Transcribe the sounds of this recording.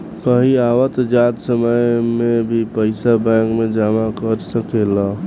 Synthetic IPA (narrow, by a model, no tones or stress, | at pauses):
kəɦiawət̪d͡ʒat̪səməjmebʱipəɪsabɛ̃ŋkmed͡ʒamakəɾsəkela